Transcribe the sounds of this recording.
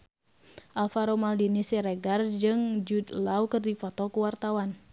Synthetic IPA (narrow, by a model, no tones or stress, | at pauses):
ʔalfaɾomaldinisiɾɛɡard͡ʒɨŋd͡ʒud̪laukɨrdifɔt̪ɔkuwart̪awan